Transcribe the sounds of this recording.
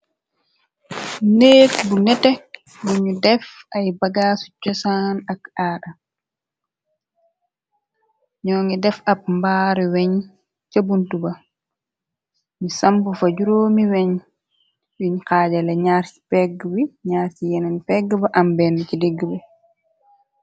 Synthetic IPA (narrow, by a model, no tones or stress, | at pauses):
neːtbunɛtɛ | buɲudɛfʔajbaɡaːsu̥t͡ʃːɔsanakaːɗa | ɲɔːŋɡɛdɛfap̚mbaːɾɛwɛɲ | t͡ʃabuntuba | misambufad͡ʒuɾoːmiwɛɲ | ɗiɲkad͡ʒalɛɲaɾsi̥pɛɡwiɲaːɾtijɛnɛnpɛɡːbaʔambɛnːit͡ʃideɡːibɛ